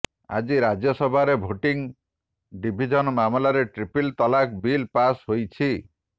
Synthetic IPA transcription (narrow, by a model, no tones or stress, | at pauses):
a̰d͡ʒiɾad͡ʒjɔsɔbʱaɾebʱoʈiŋ | ɖibʱid͡ʒɔnɔmamɔlaɾeʈɾipilt̪ɔlakbilpasɦojt͡ʃʰi